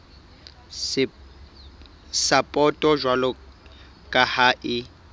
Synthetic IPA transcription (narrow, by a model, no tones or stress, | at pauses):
sapʼɔtʼɔʒwalɔ | kʼahaːʔɪ